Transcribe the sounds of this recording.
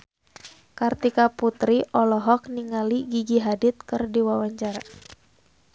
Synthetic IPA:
kart̪ikaput̪ɾiʔɔlɔɦɔk̚niŋaliɡiɡiɦadɪt̪̚kɨrdiwawaɲt͡ʃaɾa

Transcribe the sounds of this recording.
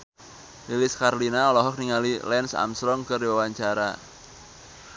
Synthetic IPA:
lilɪskarlinaɔlɔɦɔk̚niŋalilɛnsa̰msɾɔŋkɨrdiwawaɲt͡ʃaɾa

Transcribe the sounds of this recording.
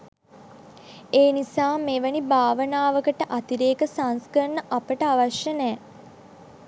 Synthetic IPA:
eːnisaːmeːʋənibaːʋənaːʋəkəʈəʔat̪iɾeːkəsanskənːəʔapəʈəaʋaʃjənɛː

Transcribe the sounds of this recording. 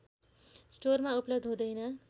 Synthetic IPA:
sʈormauplʌbd̪ʱɦod̪ʌjnʌ

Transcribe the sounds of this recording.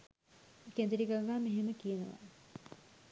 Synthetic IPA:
kend̪eɾikaɡaːmeɦeməkijenəʋa̰

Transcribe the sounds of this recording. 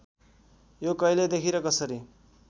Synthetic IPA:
jokʌjled̪ekʰiɾʌkʌsʌɾi

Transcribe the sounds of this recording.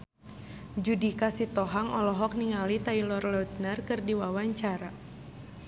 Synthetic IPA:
d͡ʒudikasit̪ɔɦaŋɔlɔɦɔk̚niŋalit̪ailɔrlɔut̪̚nərkɨrdiwawaɲt͡ʃaɾa

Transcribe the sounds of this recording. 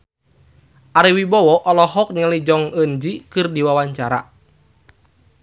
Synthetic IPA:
ʔaɾiwibɔwɔʔɔlɔɦɔk̚nəlid͡ʒɔŋənd͡ʒikɨrdiwawaɲt͡ʃaɾa̰

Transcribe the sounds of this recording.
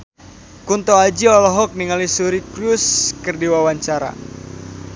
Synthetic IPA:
kunt̪oad͡ʒiɔlɔɦɔk̚niŋalisuɾikɾuskərdiwawaɲt͡ʃaɾa̰

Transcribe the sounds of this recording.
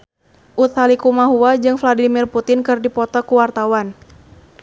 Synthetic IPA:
ʔut̪halikumaɦuwad͡ʒɨŋfladimirput̪ɪnkɨrdipɔt̪ɔkuwart̪awan

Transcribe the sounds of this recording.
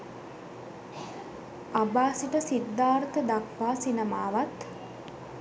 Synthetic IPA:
abaːsiʈəsid̪ːaːɾt̪əd̪akʋaːsinəmaːʋat̪

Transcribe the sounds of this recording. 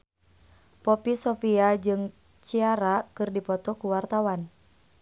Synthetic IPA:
pɔpisɔfiad͡ʒɨŋ | t͡ʃiaɾakɨrdipɔt̪ɔkuwart̪awan

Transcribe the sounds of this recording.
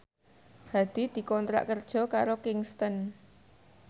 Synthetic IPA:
had̪̥i̤d̪̥i̤kɔnt̪ɾa̰ʔkərd̥ʒ̥ɔ̤kaɾokɪŋst̪ən

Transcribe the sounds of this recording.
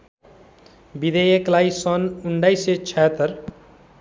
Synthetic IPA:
bid̪ejeklaisʌnuɳɖajset͡ʃʰɛt̪əɾ

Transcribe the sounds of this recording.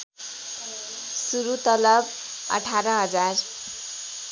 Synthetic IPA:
suɾut̪ʌlʌb | ʌ̰ʈʰaɾʌɦʌd͡zar

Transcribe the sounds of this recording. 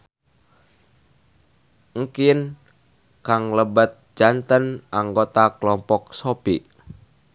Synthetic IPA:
ŋ̩kin | kaŋləbət̪̚d͡ʒant̪ənʔaŋɡot̪akəlɔmpɔk̚sopiʔ

